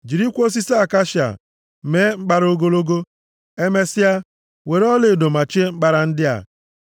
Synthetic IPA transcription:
d͡ʒi˨ɾi˦kʷo˦s̬i˦sa˨ka˦ʃi˨a̰˨ | me˦ŋ͡m̩˦k͡pa˦ɾo˦ɡo˦lo˦ɡo˦ | e˦me˦sɪ˦a˦ | we˨ɾɔ˦le˨do˨ma˨t͡ʃe˦ŋ͡m̩˦ɡ͡ba˦ɾa˨n̩˦dɪ˦a̰˨

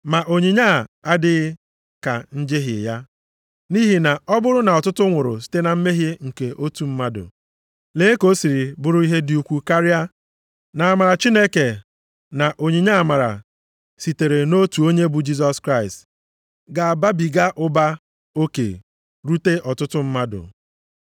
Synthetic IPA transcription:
ma˨ʔo˨ɲi˨ɲa˦˨a˦dɪ˦ | ka̰˨n̩˦d͡ʒe˦ɦɪ̰˨ja˦ | ni˦ɦi˨na˨ɔ˦bʊ˦ɾʊ˦na˨ɔ˨tʊ˦tʊ˦ŋʷʊ˨ɾʊ̰˨si̥˦te˦na˨m̩˦me˦ɦi˦ŋ̩˨ke˨ʔo˦tu˨m̩˦ma˦dʊ̰˨ | le˨˦e˦ko˦si˨ɾi˨bʊ˦ɾʊ˦i˦ɦe˦di˨u˨kʷu˨ka˦ɾɪ˦a˦ | na˨a˨ma˨ɾa˨t͡ʃi˦ne˦ke˨ | na˨ʔo˨ɲe˨ɲa˦a˨ma˨ɾa̰˨ | si˨te˨ɾe˨no˦tu˨o˦ɲe˦bu˨d͡ʒi˦z̬ɔ˦skɾa˦ɪ˨st | ɡa˨a˨ba˦bi˨ɡa˦ʔʊ˦ba˦ | o˦kḛ˨ | ɾu˦te˦ʔɔ˨tʊ˦tʊ˦m̩˦ma˦dʊ̰˨

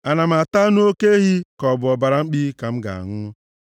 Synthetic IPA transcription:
a˨na˨m̩˨a˨ta˦nʊ˦o˦ke˦ɦi˦kɔ˨bʊ˨ɔ˨ba˨ɾa˨ŋ͡m̩˦k͡piː˦ka˨m̩˦ɡa̰˨a̰˨ŋʊ˦ʊ˦

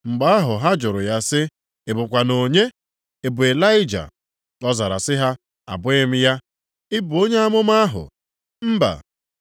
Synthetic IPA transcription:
ŋ͡m̩˨ɡ͡ba˦a˦ɦʊ˨ɦa˦d͡ʒʊ˨ɾʊ̰˨ja˦sɪ˦ | ɪ˨bʊ˨kʷa˨no˨ɲe˦ | e˨bʊ˨e˨la˦ɪ˦d͡ʒa̰˨ | kɔ˦za˨ɾa̰˨sɪ˦ɦa˦ | a̰˨bʊ˦ɪ˦m̩˦ja˦ | ɪ˦bʊ˨o˦ɲe˦a˦mʊ˦ma˦ɦʊ̰˨ | m̩˦ba̰˨

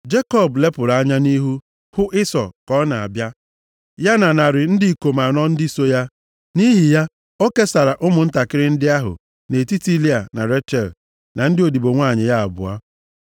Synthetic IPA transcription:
d͡ʒe˦kɔ˦˨ble˦pʊ˨ɾa˨a˦ɲa˦ni˦ɦu˦ | hʊ˦ʔɪ˦sɔ˨kɔ˦na˨a̰˨bja˦ | ja˦na˨na˨ɾɪ˨n̩˦dɪ˦i˨ko˨ma˨nɔ˦n̩˦di˦so˦ja˦ | ni˦ɦi˨ja˦ | o˦ke˦sa˨ɾa˨ʔʊ˦mʊ˨n̩˦ta˨kɪ˦ɾɪ˦n̩˦dɪ˦a˦ɦʊ̰˨ | ne˨ti˦ti˦li˦a˨na˨ɾe˦tɛ˨l | na˨n̩˦dɪ˦o˨di˨bo˨ŋʷa˦˨ɲɪ˨ja˦a̰˨bʊ̰˨a̰˦

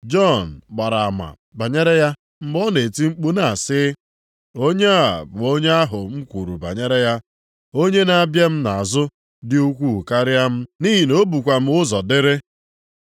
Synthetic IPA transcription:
d͡ʒɔ˦˨n̩˨ɡ͡ba˨ɾa˨ma̰˨ | ba˨ɲe˦ɾe˦ja˦ | m̩˨bɔ˦ne˨ti˦ŋ͡m̩˦k͡pu˦na˨a˨sɪ˦ | o˦ɲe˦a˨bʊ˨o˦ɲe˦a˦ɦʊ˨ŋ͡m̩˦kʷu˨ɾṵ˨ba̰˨ɲe˦ɾe˦ja˦ | o˦ɲe˦na˨a˦bje˦m̩˦na˨a˨zʊ˦ | dɪ˦u˦kʷu˦˨ka˦ɾja˦m̩˦ni˦ɦi˨no˦bu˨kʷa˨m̩˦ʊ˦zɔ˨dɪ˦ɾɪ˦

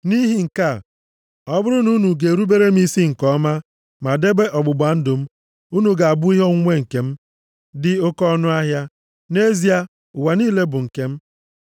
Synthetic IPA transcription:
ni˦ɦi˨ŋ̩˨ka˦˨ | ɔ˦bʊ˦ɾʊ˦nu˦nu˨ɡe˨ɾu˦be˦ɾe˦m̩˦i˦si˦ŋ̩˨kɔ˦ma˦ | ma˨de˦be˦ʔɔ˨ɡ͡bʊ˨ɡ͡ba˨˦n̩˦dʊ˨m̩˦ | u˦nu˨ɡa˨a˨bʊ˦i˦ɦɔ˦ŋ̩˦ŋʷe˦ŋ̩˨ke˨m̩˦ | dɪ˨o˦kɔ˦nʊ˦a˦ɦja˦ | ne˦zi˦a˦ | ʊ˨wa˨niː˦le˦bʊ˨ŋ̩˨ke˦m̩˦

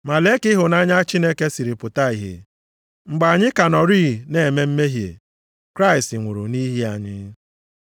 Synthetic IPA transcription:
ma˨le˦kɪ˦ɦʊ˨na˦ɲa˦t͡ʃi˦ne˦ke˦si˨ɾi˨pʊ˨ta˦i˨ɦḛ˨ | ŋ͡m̩˨ɡ͡ba˨a˨ɲɪ˦ka˨nɔ˨ɾiː˦˨ne˨me˦m̩˦me˦ɦjḛ˨ | kɾa˦ɪ˨stɪ˨ŋʷʊ˨ɾʊ̰˨ni˦ɦi˦a˨ɲɪ˦

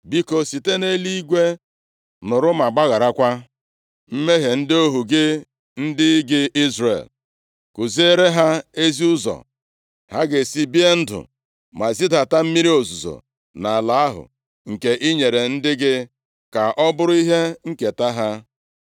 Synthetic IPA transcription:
bi˦ko˨si˨te˦ne˦li˦i˦ɡʷe˦ | nʊ˨ɾʊ˦ma˨ɡ͡ba˦ɣa˨ɾa˦kʷa˦ | m̩˦me˦ɦe˨n̩˦dɪ˦o˦ɦu˨ɡɪ˦ | n̩˦dɪ˦ɡɪ˦ʔi˦zɾḛ˨l | kʊ˨zi˦e˦ɾe˦ɦa˦e˦zi˦ʊ˦zɔ̰˨ | ha˦ɡɪ˨si˦bi˦e˦n̩˦dʊ̰˨ | ma˨zi˦da˨ta˦m̩˦mi˦ɾi˦o˨zu˨zo̰˨ | na˨a˨la˦a˦ɦʊ̰˨ | ŋ̩˨ke˨ʔi˦ɲe˨ɾe˨n̩˦dɪ˦ɡɪ˦ | ka˨ʔɔ˦bʊ˦ɾʊ˦i˦ɦe˦ŋ̩˦ke˨ta˦ɦa˦

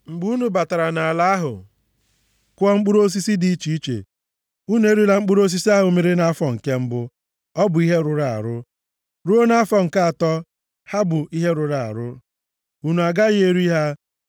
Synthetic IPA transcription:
ŋ͡m̩˨ɡ͡bu˦nu˦ba˨ta˨ɾa˨na˨la˦ɦʊ̰˨ | kʷɔ˦ŋ͡m̩˦k͡pu˦ɾo˦s̬i˦si˦di˦˨˦t͡ʃi˨i˦t͡ʃḛ˨ | u˦nu˦e˦ɾi˦la˨ŋ͡m̩˦k͡pu˦ɾo˦s̬i˦si˦a˦ɦʊ˨˦me˦ɾi˦na˦a˦fɔ˨ŋ̩˨ke˦m̩˦bʊ˦ | ɔ˦bʊ˨i˦ɦe˦ɾʊ˨ɾa˨a̰˨ɾʊ˦ | ɾu˦o˦na˦a˦fɔ˨ŋ̩˨ka˦a˨tɔ˦ | ha˦bʊ˨ʔi˦ɦe˦ɾʊ˨ɾa˦˨a̰˨ɾʊ˦ | u˦nu˨a˨ɡa˦ɣe˦ɾi˦ɦa˦

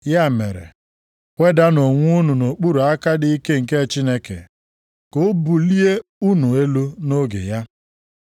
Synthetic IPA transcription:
ja˦˨mḛ˨ɾḛ˨ | kʷe˦da˦no˨ŋʷu˦nu˨no˨k͡pu˦ɾu˨a˦ka˦dɪ˦i˦ke˦ŋ̩˨ke˦˨t͡ʃi˦ne˦kḛ˨ | ko˦bu˨li˦e˦u˦nu˨e˦lu˦no˦ɡḛ˨ja˦

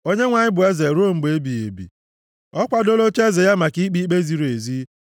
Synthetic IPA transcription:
o˦ɲe˦ŋʷa˨ɲɪ˦bʊ˨e˦ze˨ɾo˦˨m̩˨ɡ͡be˦bi˨ḛ˨bḭ˨ | ɔ˦kʷa˦do˦lo˦t͡ʃe˦ze˨ja˦ma˨ki˦k͡pi˦k͡pe˦zi˨ɾe˨zi˦

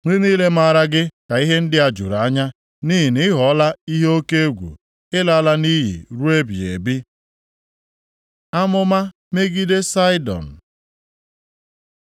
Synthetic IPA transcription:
ŋʷe˦niː˦le˦ma˦a˦˨ɾa˦ɡɪ˦ka˨i˦ɦe˦n̩˦dɪ˦a˨d͡ʒṵ˨ɾa˨a˦ɲa˦ | ni˦ɦɪ˨nɪ˦ɦɔ˨˦la˦i˦ɦe˦o˦ke˦e˦ɡʷṵ˨ | ɪ˦la˦la˦ni˦ɦḭ˨ɾu˦e˦bi˨ḛ˨bi˦ | a˦mʊ˦ma˦ | me˦ɡi˦de˦sa˦ɪ˦dɔ̰˨n̩˨

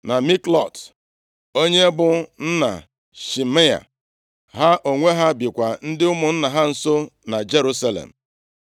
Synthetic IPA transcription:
na˨mi˦klɔ˨t | o˦ɲe˦bʊ˦n̩˦na̰˨ | ʃi˨me˦a̰˨ | ɦa˦ʔo˨ŋʷe˦ɦa˦bi˨kʷa˨n̩˦dɪ˦ʊ˦mʊ˨n̩˦na˨ɦa˦n̩˨so˦na˨d͡ʒe˦ɾu˦sa˦lḛ˨m̩˨

